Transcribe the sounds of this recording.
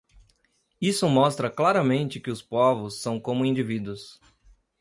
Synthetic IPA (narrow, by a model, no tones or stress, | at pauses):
isʊmɔst̪ɾɐklaɾɐmẽnt͡ʃɪkɪʊspɔvʊsːɐ̃w̃kõmʊĩnd͡ʒivid̪wʊs